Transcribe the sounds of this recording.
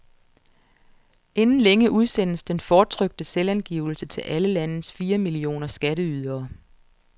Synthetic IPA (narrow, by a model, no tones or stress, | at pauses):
ʔe̝nn̩leŋəʔuðˠsen̰əsd̥enfɒːt͡sʰʁœɡ̥̚d̥əselænɡ̥iːʊl̩sət͡sʰe̝lʔæləlænəsfiːɐmilio̝̰ːnɐsɡ̥æɾəyðˠɐː